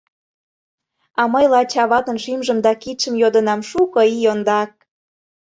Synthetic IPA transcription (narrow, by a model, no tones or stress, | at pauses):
ɑməjlɑt͡ɕɑβɑt̪ə̆nʃimʒə̆md̪ɑkit̪ʃə̆mjod̪ə̆nɑmʃukɤijond̪ɑk̚